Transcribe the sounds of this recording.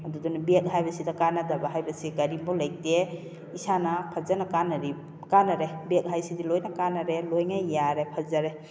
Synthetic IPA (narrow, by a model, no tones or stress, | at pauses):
ɐdudunabek̚ɦajbɐsidakanadabaɦajbɐsiɡɐɾimbɔlaj̚te | isanapʰɐzanakanɐɾi | kanɐɾebek̚ɦajsidilojnakanɐɾelojŋajːaɾepʰɐzaɾe